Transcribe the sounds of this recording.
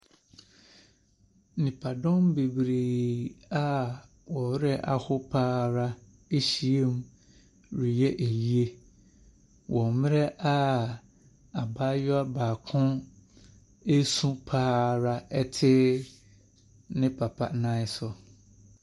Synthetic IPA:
nĩ˨pʰa˨dɔ̃˦mbe˨bɾi˨a˦ | wɔ˨˦ɾɛ˦ʔa˨hʊ˦pʰaː˦ɾa˦ | e˦ɕi˨e˦m˦ | ɾi˨jɛ˦ʔe˨ji˦e˦ | wʔɔ̃˨mɪ̃˦ɾɛ˦ʔa˦ | a˨baː˦jɔ˦a˦baː˨kʰʊ̃˦ | e˦sũ˦pʰaː˦ɾa˦ɛ˦tʰɪ˦ | nɪ̃˦pʰa˨pʰa̰˦˨˦nã˦ɪ˦sʊ˨

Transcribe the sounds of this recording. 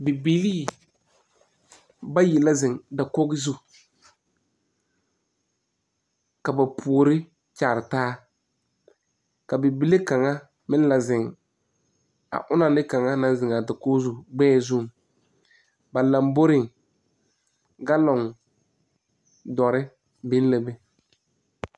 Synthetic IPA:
bɪ˨bi˨˦liː˦ | ba˦ji˨la˦zɪ˨ŋda˨ko˦ɡɪ˦zu˦ | ka˨ba˨pʰu˨ɾɪ˦ | t͡ʃa˨ɾɪ˨taː˦ | ka˨bɪ˨bi˦le˦ka˨ŋa˦ | mɪ˦n˦la˨zɪ˨ŋ | a̰˨ʔʊ˦na˨nɪ˦ka˨ŋa˦na˨˦zɪ˨ŋa˨da˨kʊ˦ɡzu˨ɡ͡bɛː˦zʊ˦˨ŋ | ba˨la˨mbo˦ɾɪ˨ŋ | ɡa˦lɔ˨ŋ | dɔ˨ɾɪ˦ | bɪ˦n˦lɛ˨bɛ˨

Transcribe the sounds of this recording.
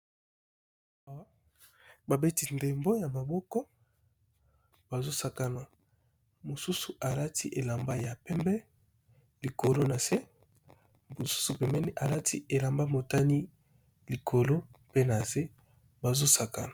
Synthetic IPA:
w | ba˨be˦ti˦nde˨mbo˦ja˨ma˨bɔ˦kɔ˦ | ba˨zo˦sa˨ka˦na˨ | mo˨su˦su˨ʔa˨la˦tʰi˦ʔe˨la˨mba˦ja˨pɛ˦mbɛ˦ | li˨ko˨lo˦na˨se˦ | bo˨su̥˦su˨pɛ˨mɛ˦ni˦ʔa˨la˦tʰi˦e˨la˨mba˦mo˨ta˦ni˦ | li˨kʰo˨lo˦pe˦na˨ze˦ | ba˨zo˦sa˨ka˦na˨

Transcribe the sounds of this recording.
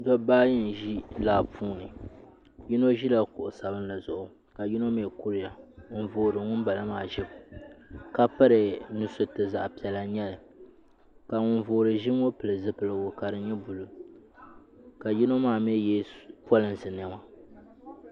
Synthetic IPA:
dɔ˦baː˦jɪ˦n˨ʒi˦laː˦pʰuː˦nɨ˨ | ji˦no˦ʒi˦la˨kʊ˨ʔʊ˨sa˨bɨ˦n˦la˨zʊ˨ʔʊ˨ | ka˨ji˦no˦meː˦˨ku˦ɾɪ˦ja˨ŋʊ˨nvoː˨ɾɨ˨ŋʊ˦nba˨la˦maː˨ʒɪ˦bka˦pɨ˦ɾɨ˨nu˨sʊ˦tɨ˨za˨ʔpi˨ɛ˨la˨ɲɛ˦lɨ˨ | ka˨ŋʊ˦nvoː˨ɾɨ˨ʒɪ˦m˦o˦pɨ˨lɨ˨zɨ˦pɨ˨lɨ˨wʊ˨ka˨ɾɨ˨ɲɛ˦bu˨lʊ˨ | ka˨ji˦no˦maː˦˨mɛ˦jɛ˦pɔ˦lɨ˨nsɨ˨nɨ˨ma˨

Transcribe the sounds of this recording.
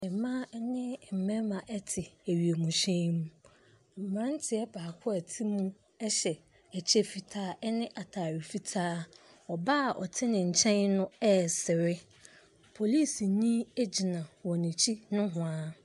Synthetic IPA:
ɛ˨mã˦nɪ̃˦˨m̩˨mɛ̃˦mã˨ʔɛ˦tʰɪ˨æ˨ɥi˨e˨mũ˨ɕẽ˦mũ˦ | m̩˨mã˦n˦tʰɪ˨ɛ˦baː˨kʰʊ˦ɛ˨tʰi˦mũ˦ | ɛ˦ɕɛ˨ | ɛ˨t͡ɕʰɛ˦fi˨tʰaː˦ɛ˦nɪ̃˦ʔa˨tʰa˨ɾɪ˨fi˨tʰaː˦ | ɔ˨ba˦˨ʔɔ̰˨tʰɪ˦nɪ̃˨ɲ̩˨t͡ɕʰɛ̃˦nnʊ̃˦ɛ˦˨sɪ˨ɾɪ˦ | pʰo˨li˦˨sɲĩ˦e˦d͡ʑi˨nã˨wɔ̃˨nĩ˨t͡ɕʰi˦nʊ̃˦ɦʊ̃˨ã˦

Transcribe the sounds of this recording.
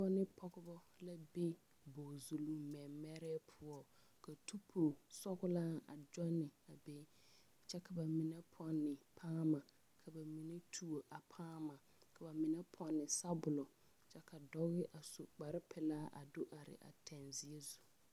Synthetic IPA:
d͡ʒɔ˦nɪ˦pʰɔ˦ɡʊ˦bɔ˦la˦be˦ | bo˨zu˨lu˦mɛ˨mːɛ˦ɾɛː˦pʰʊ˦ɔ˦ | ka˨tʰu˦pʰu˨sɔ˦ɣʊ˦la˦a̰˨d͡ʒɔ˦nːɪ˨a˨be˦ | t͡ʃɛ˦ka˨ba˨mɪ˨nɛ˦pʰɔ˦nːɪ˨pʰaː˦ma˨ | kʰa˨ba˨mi˨ne˦tʰu˦o˨ʔa˨pʰaː˦ma˨ | kʰa˨ba˨mɪ˨nɛ˦pʰɔ˨nːɪ˨sa˦bʊ˨lɔ˨ | t͡ʃɛ˦ka˨dɔ˦ɣɪ˦ʔa˨so˨k͡pa˨ɾɪ˦pʰɛ˨laː˦ʔa̰˨dʊ˦ʔa˨ɾɪ̰˨ʔa̰˨tʰɛ˨nzɪ˦e˦zu˨

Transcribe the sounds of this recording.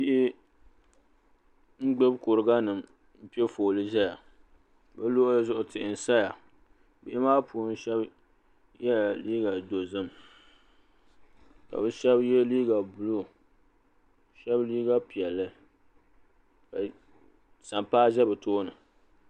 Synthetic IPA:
bi˦ʔɪ˦ | ŋ̩˦ɡ͡be˦bkʊ˨ɾɨ˨ɡa˦nɨ˨m | m̩˦pi˦ɛ˦foː˨lɨ˦ʒɛ˦ja˨ | bɛ˦loː˦ʔzʊ˦ʔʊ˦tɪ˨ʔɪ˨n˨sa˦ja˨ | bi˦ɪ˦maː˦puː˨˦n̩˦ʃɛ˦b | jɛ˦˨liː˦ɡa˨do˨zɨ˦m | ka̰˨bɛ˦ʃɛ˦bjɛ˦liː˦ɡa˨bʊ˨lo˦ | ʃɛ˦bliː˦ɡa˦pi˨ɛ˨lːɨ˦ | ka˨ | sa˨mpaː˦ʒɛ˦bɨ˨toː˦nɨ˨

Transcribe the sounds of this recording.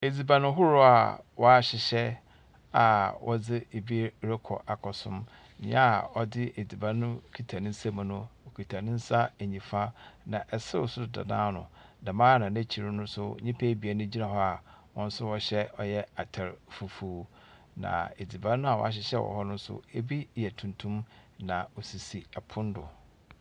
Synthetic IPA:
e˨d͡zi˨bã˨nʊ̃˦ɦʊ˦ɾʊ˦a̰˨wɔ˨a˦ɕɪ˨ɕɛ˦ | a˨wʔɔ˦d͡zɪ˦e˨bi˦ɾe˦kʰɔ̰˨ʔa˨kʰɔ˨sʊ̰̃˦m˨ | ɲa˦a˨ɔ˦dɪ˦ʔe˨d͡zi˨bã˨˦ʊ̃˦kʰi˨tʰa˨nɪ̃˦n̩˦sa˦m̃˨nʊ̃˦˨kʰi˨tʰa˨nɪ̃˦n̩˦sa˦e˨ɲĩ˨fa˦nã˨ʔɛ˨sɪ˦ʊ˨sʊ˦˨da̰˨nãː˦nʊ̰̃˨nã˨mãː˦nã˨næ˦t͡ɕʰi˨ɾʊ˦nʊ̃˦sʊ˦˨ɲĩ˦pʰe˦bi˨a˨nʊ̃˦d͡ʑi˦nã˨ɦɔ˦a˨wɔ̃˦n̩˦sʊ˦wɔ˦ɕɛ˦ɔ˦jɛ˦a˨tʰɛ˨ɾfu˨fuː˨ | nã̰˨e˨d͡zi˨bã˦nʊ̃˦a˦˨wɔ̰˨˦a˦ɕ̬ɪ˦ɕɛ˦wɔ̰˨hɔ˦nʊ̃˦n̩˦sʊ̰˦e˦bi˦˨jɛ˨tʰũ˨ntʰũ˦mnã˨ɔ˨si˨si˨a˨pʰʊ̃˦n˦dʊ˨

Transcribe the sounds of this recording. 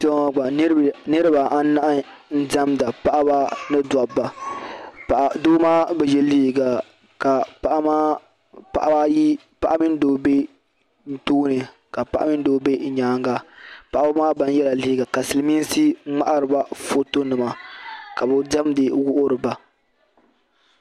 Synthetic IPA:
tɡ͡ba˨˦nɨ˦ɾɨ˦ba˨a˦n˦na˦ʔ | n̩˦da˦mda˨pa˦ʔa˦ba˦nɨ˦da˨bːa˨ | pa˨ʔdoː˦maː˦bɛ˨jɛ˨li˦hi˨ɡa˨ | ka˨pa˨ʔa˦maː˦ | pa̰˨ʔa˦ba˦ji˦ | pa˦˨ʔa˦mi˦n˦doː˦be˦ | n̩˦toː˦nɨ˨ | ka˨pa̰˦ʔa̰˦mɪ˦n˦doː˦be˦˨ɲaː˦ŋɡa˦pa˨ʔa˦ba˦maː˦ba˨n˦jɛ˦la˨li˦i˦ɡa˨ka˨sɨ˨lɨ˨mi˦si˦ŋ͡ma˦ʔa˦ɾɨ˨ba˦fo˦to˦nɨ˨ma˨ka˨bɛ˨da˦mdɨ˨wʊ˦ʔʊ˦ɾɨ˨ba˨

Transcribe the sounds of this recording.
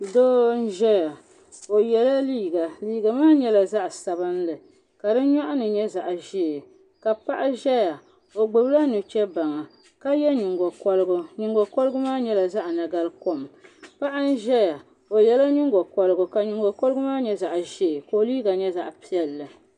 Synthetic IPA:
doː˦n̩˦ʒɛ˦ja˨ | o˨jɛ˨la˦liː˦˨ɡa˨liː˦ɡa˨maː˦ɲɛ˦la˨za˦ʔsa˨bɨ˦nlɨ˨ | ka˨dɨ˦ɲɔ˦ʔʊ˦nɨ˨ɲɛ˦za˨ʔʒe˦˨ | ka˨pa˦ʔa˦ʒɛ˦ja˨ | o˨ɡ͡bɨ˨bla˦nɨ˨t͡ʃɛ˦ba˨ŋa˨ | ka˦jɛ˦ɲu˨ŋɡo˨kɔ˦lɨ˦ɡʊ˦ɲu˨ŋɡo˨kɔ˦lɨ˦ɡʊ˦maː˦ɲɛ˦la˨za˦ʔna˨ɡa˦lko˦mpa˦ʔa˦n̩˦ʒɛ˦ja˨ | o˨jɛ˦la˦ɲʊ˦ŋɡo˨kɔ˨lɨ˦ɡʊ˨ka˨ɲu˨ŋɡo˨ko˦lʊ˦maː˦ɲɛ˦za˨ʔʒe˦˨ko˨liː˦ɡa˨ɲɛ˦za̰˦ʔpi˦ɛ˦lːɨ˨

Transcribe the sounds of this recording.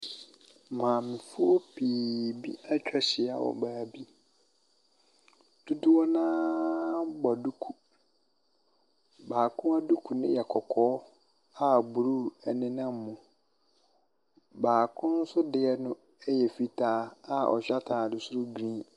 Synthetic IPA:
mã˨mɪ̃˨fʊ˦ɔ˦pʰiː˨bḭ˦a˦t͡ɕᶣɛ˦ɕɪ˨a̰˨wɔ̰˨baː˨bi˦ | d̥ʊ˦dʊ˦wɔ˦nãː˦ | bɔ˨du˦kʰu˨ | baː˨kʰʊ̃˦a˦du˦kʰu˨nɪ̃˦jɛ˨kʰɔ˨kʰɔː˦ | a˦bu˨ɾu˦ɛ˨nɪ̃˦nã˦m˨˦mũ˨ | baː˨kʰʊ̃˦n̩˦sʊ˦dɪ˨ɛ˦nʊ̃˦ | ɛ˦jɛ˨fi˦tʰaː˦a˦ɔ̰˨ɕᶣa˦tʰa˨dʊ˨su˦ɾʊ˦ɡɾĩː˦

